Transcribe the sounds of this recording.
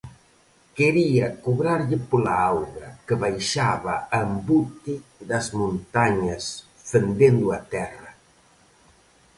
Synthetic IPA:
keɾiɐkoβɾaɾʎɪpolaawɣɾɐkəβajʃaβaambut̪id̪ɐzmõnt̪aɲɐs | fend̪end̪ʊat̪ɛrɐ

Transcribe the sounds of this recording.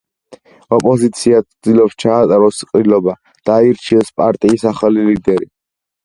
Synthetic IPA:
ɔpʼɔzit̪sʰiat̪sʰd̪ilɔpst͡ʃʰaːt̪ʼaɾɔsqʼɾilɔba | d̪̥aiɾt͡ʃʰiɛspʼaɾt̪ʼiːsaχalilid̪ɛɾḭ

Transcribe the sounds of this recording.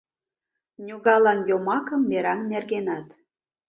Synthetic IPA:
nʲuɣɑlɑnjomɑkə̆mːeɾɑnnerɣenɑt̪

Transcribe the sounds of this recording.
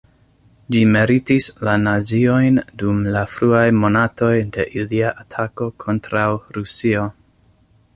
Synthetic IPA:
d͡ʒime̞ɾitislanazio̞jndumlafɾuajmo̞nato̞jde̞ʔiliaʔatʰako̞kʰo̞ntɾawɾusio̞

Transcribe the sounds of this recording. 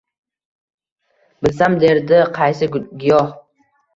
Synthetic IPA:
bɪlsamd̪e̞ɾd̪ɪqʰɑjsɪɡɪjɒh

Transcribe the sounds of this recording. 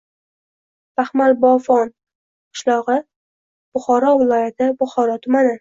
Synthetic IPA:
baχmaɾbɒfɒn | qʰɨ̥ʃlˠɒʁɨ | b̥ʊχɒɾɒvɪlˠɒjat̪ʰɪbʊχɒɾɒt̪ʰʊmanɪ

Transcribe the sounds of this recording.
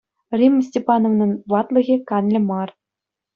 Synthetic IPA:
rʲimsʲtʲepɑnoʋnɤ̆nʋɑt̪lˠɤ̆ɣʲĕkɑnlʲɘ̆mɑr

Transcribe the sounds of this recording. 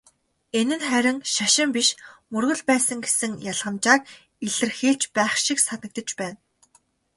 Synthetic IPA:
enɘ̆nχæɾʲɪ̆ŋʃaʃɪ̆mpiʃmɵrɣɵ̆ɮpæːsə̆ŋɡesɘ̆ŋjaɮʁə̆mt͡ɕaːk̚ | iɮɘ̆rxeːɮt͡ɕpæːχʃiksat̪nə̆k̚t̪ə̆t͡ɕpæːn

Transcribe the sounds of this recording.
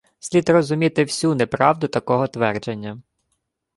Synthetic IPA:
sʲlʲid̪rɔzʊmʲit̪ɪwsʲunepɾɑwd̪ʊt̪ɐkɔɦɔt̪ʋɛrd͡ʒenʲːɐ

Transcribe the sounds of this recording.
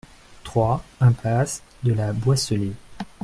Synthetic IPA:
t̪χwaɛ̃plas | d̪əlabwasəle

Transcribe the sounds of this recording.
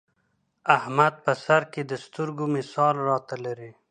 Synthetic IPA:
ahmad̪̚pəsaɾked̪əst̪əɾɡomɪsɑlɾɑt̪alaɾi

